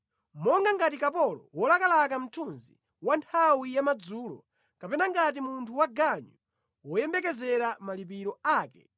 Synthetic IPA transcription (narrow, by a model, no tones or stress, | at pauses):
mɔŋɡaŋɡatikapɔlɔ̰wɔlakalakam̩tʰunzi | wantʰawijamad͡zuːlɔ̰ | kapɛnaŋɡat̬imuntʰuwaɡaɲu | wɔjɛmbɛkɛzɛɾamalip̬iɾɔaːkɛ̰